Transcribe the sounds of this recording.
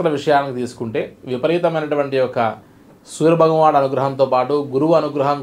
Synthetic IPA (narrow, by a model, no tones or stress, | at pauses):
ɐlɐʋiʂɐjaːnikit̪iːsu̥kuɳʈe̞ːʋipɐɾiːt̪ɐmɐjnɐʈuʋɐɳʈiɔkɐ | suːɾɐbʱɐɡɐʋaːɽɐnuɡɾɐɦɐnt̪oːpaːʈuɡuɾuʋɐɐnuɡɾɐɦɐm